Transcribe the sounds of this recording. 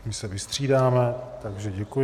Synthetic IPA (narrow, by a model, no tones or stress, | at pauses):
mɪsɛvɪst̪r̝̥iːdaːmɛt̪aɡʒɛɟɛkuj